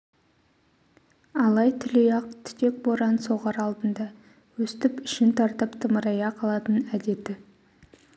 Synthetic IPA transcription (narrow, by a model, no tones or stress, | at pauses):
ɑlˠɑjt̪ʰʏlejɑq̚t̪ʰɪ̥t̪e̞k̚boɾɑnso̞ʁɑɾɑlˠd̪ənd̪ɑ | wɵst̪ɪpʏʃɪnt̪ʰɑɾt̪əpt̪ʰəməɾɑjɑqʰɑlˠɑt̪ənæd̪e̞t̪ɪ